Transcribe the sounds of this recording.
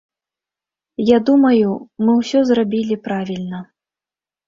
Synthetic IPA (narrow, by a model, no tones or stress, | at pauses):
jad̪umɐjumɨwsʲɔzrabʲilʲipɾavʲilʲnɐ